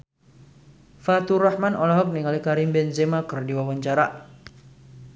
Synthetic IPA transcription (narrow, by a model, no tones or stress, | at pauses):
fat̪urahmanʔɔlaɦɔk̚niŋalikaɾimbɛnzɛmakərdiwawaɲt͡ʃaɾa̰